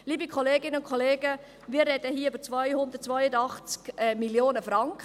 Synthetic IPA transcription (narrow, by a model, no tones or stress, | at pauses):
liːbikʰɔleːɡɪnəʊnkʰɔleːɡ̥ə | miːɾrɛdəhiːybəɾt͡svœjhʊnd̥̪əɾt̚t͡svœjədɑχt͡skɛmiljoːnəfɾɑŋk